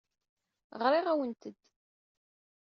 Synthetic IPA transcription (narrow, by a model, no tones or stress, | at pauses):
ʁɾˤɪʁæwənt̪əd̪̥